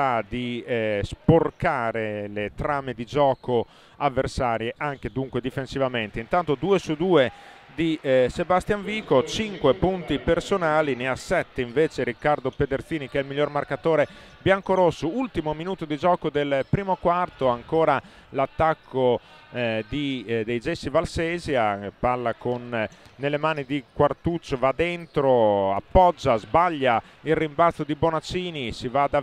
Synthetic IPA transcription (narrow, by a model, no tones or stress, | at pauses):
ad̪isporkaːɾelet̪ɾaːmed̪id͡ʒɔːko | avːersaːɾjeʔaŋked̪uŋkwed̪ifensivament̪eint̪ant̪od̪uːesud̪uːe | d̪isebast̪jaɱviːkot͡ʃiŋkwepunt̪ipersonaːlineasɛt̪ːeiɱveːt͡ʃeɾikːard̪oped̪ert̪siːnikɛilmiʎːormarkat̪oːɾe | bjaŋkoɾosːoult̪imominuːt̪od̪id͡ʒɔːkod̪elpɾiːmokwart̪oaŋkoːɾa | lat̪ːakʰːo | d̪id̪ejd͡ʒɛsːivalseːzjaparlakonːelːemaːnid̪ikwart̪ut͡ʃːovad̪ent̪ɾoa̰pːɔd͡ʒːazbaʎːa | ilrːimbat̪sːod̪ibonat͡ʃiːnisivad̪a